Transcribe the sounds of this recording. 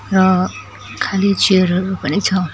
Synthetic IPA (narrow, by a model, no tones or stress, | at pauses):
rʌ | kʰalit͡seɾɾupʌnit͡sʰʌ